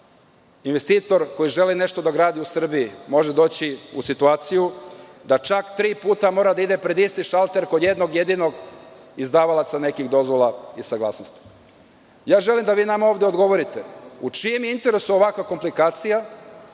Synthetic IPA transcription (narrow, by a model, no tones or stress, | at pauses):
inʋe̞st̪iːt̪o̞ɾko̞jiʒe̞line̞ʃt̪o̞d̪aɡɾaːd̪iusr̩biimo̞ʒed̪o̞ːt͡ɕiusit̪uaːt̪sijud̪at͡ʃakt̪ɾiːpuːt̪amo̞ːɾad̪aid̪e̞pɾe̞d̪ist̪iʃalˠt̪e̞ɾkod̪je̞d̪noɡjed̪ino̞ɡ | izd̪aːʋalˠat̪sane̞kiɣd̪o̞zʋo̞lˠaisaɡlˠa̰ːsnost̪i̥ | jaːʒe̞limd̪aʋiːnamaoːʋd̪eod̪ɡo̞ʋo̞ɾit̪eut͡ʃijemjeint̪e̞ɾe̞suoʋakʋako̞mplikaːt̪sija